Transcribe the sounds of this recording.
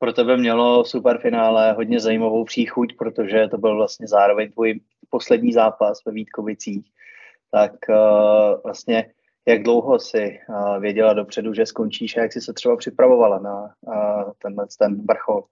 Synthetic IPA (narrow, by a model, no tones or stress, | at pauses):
pɾot̪ɛbɛmɲɛlo̞fsupɛɾfɪnaːlɛɦo̞dɲɛzajiːmavowpr̥iːxucpɾot̪o̞ʒɛt̪o̞bɪlvlast̪ɲɛzaːɾo̞vɛɲt̪vuːj | po̞slɛdɲiːzaːpasvɛviːt̪kovɪt͡siːx | t̪ak | vlast̪ɲɛ | jaɡdlo̞wɦo̞sɪvjɛɟɛladopr̝̥ɛduʒɛsko̞nt͡ʃiːʃajaksɪsɛt̪r̥ɛbapr̝̥ɪpɾavo̞valana | t̪ɛnlɛt͡st̪ɛnbr̩xol